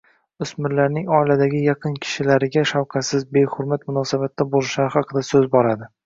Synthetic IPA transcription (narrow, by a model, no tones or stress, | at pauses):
ʊsmɪɾlaɾnɪŋɒɪlad̪aɡʲɪjɑqʰɨnkʲʰɪ̥ʃɪlaɾɪɡʲaʃawqʰɑsɪzbe̞hʊɾmat̪mʊnɒsabat̪ːabolˠɪʃaɾɪhɑqʰɨd̪asɵzbɒɾad̪ɪ